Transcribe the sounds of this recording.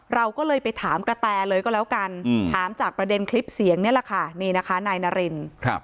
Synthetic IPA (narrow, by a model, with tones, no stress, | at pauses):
ɾa˧wkɔː˥˩lɤː˧jpa˧jt̪ʰaː˩˦mkɾa˧t̪ɛː˧lɤː˧jkɔː˥˩lɛː˦˥wka˧nt̪ʰaː˩˦mt͡ɕaː˨˩k̚pɾa˧de˧nkʰli˦˥p̚si˨˩˦əŋni˥˩ɐla˨˩kʰa˥˩niː˧˩na˦˥kʰa˦˥naː˧jna˦˥ɾi˧nkʰp̚